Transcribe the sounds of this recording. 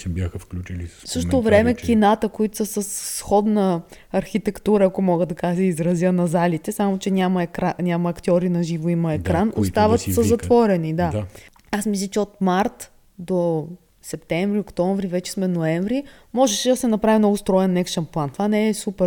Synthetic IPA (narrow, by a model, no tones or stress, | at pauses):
bʲjaxəfklʲut͡ʃilifsɤʃt̪ovɾɛmɛkʲinat̪əkoit̪ʊsəsəsːxɔd̪nə | ɐɾxit̪ɛkt̪uɾəːkomɔɡəd̪ɐkaʒsɛizɾɐzjənɐzalit̪ɛsamot͡ʃɛnʲamɐɛkɾanʲamɐːkt̪ʲiɔɾinɐʒivoimɐɛkɾanost̪avɐt̪səzɐt̪vɔɾɛnid̪ad̪a | asmis̬lʲˠət͡ʃɛot̪maɾt̪ | d̪o | sɛp̚t̪ɛɱvɾiokt̪ɔɱvɾivɛt͡ʃɛ̥smɛnoɛɱvɾi | mɔʒɛʃɛd̪ɐsɛnɐpɾavimnɔɡʊst̪ɾɔɛnːɛkʃɐnplˠant̪ovanɛɛsupɛɾ